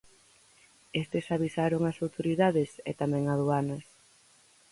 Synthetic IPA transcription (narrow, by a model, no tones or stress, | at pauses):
est̪ɪsaβisaɾoŋasawt̪oɾiðaðɪsɛ̰t̪amɛ̃ŋaðuanɐs